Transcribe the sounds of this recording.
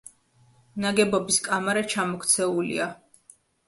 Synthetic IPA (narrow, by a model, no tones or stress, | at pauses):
naɡɛbɔbiskʼamaɾat͡ʃʰamɔkʰt̪sʰɛulḭa